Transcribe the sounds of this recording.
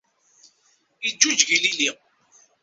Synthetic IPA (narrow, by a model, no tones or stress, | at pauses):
id͡ʒːud͡ʒʝilili